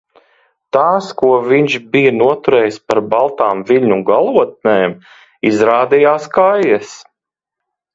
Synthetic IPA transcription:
t̪aːskuɔviɲʃbijɐnuɔt̪uɾɛːjspaɾbalˠt̪aːmviʎʲɲuɡalˠuɔt̪̚nɛːm | izɾaːd̪ijaːskajɛs

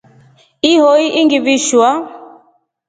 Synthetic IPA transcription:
iɦɔiʔiŋɡiβiʃwa

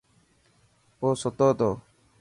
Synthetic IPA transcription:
oːsot̪oːt̪oː

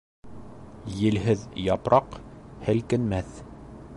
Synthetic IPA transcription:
jɘ̆lɦɘðjɑpɾʔɑqhɘlkɘ̆nmæθ

